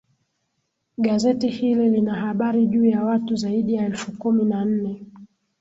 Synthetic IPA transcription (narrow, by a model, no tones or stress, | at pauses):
ɠazɛtihililinahaɓaɾiʄuːjawatuzaiɗijaɛlfukuminan̩nɛ